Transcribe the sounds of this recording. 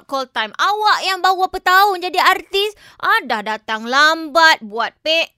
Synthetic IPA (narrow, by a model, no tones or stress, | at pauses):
kɔlt̪ajmawaʔjaŋbawapət̪aʊnd͡ʒadiart̪is | ʔadahdat̪aŋlambat̪̚buat̪̚pɛʔ